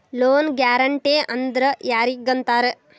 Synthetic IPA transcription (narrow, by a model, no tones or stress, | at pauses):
loːnɡjaːɾɐɳʈeːʔɐnd̪ɾɐjaːɾiɡɐnt̪aːɾe